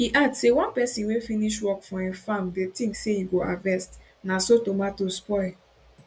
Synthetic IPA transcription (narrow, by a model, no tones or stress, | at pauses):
hiʔadsewɔ̃npɛsĩnwefĩniʃwɔkfɔ̃ĩfãmdetĩŋksehiɡoavɛst | nasotomatospɔɪ